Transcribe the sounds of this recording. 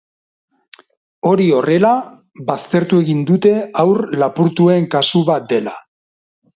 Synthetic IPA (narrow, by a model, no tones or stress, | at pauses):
o̞ɾio̞re̞la | βast̪e̞ɾt̪ue̞ɣind̪ut̪e̞awrlapuɾt̪ue̞ŋkasuβat̪̚d̪e̞la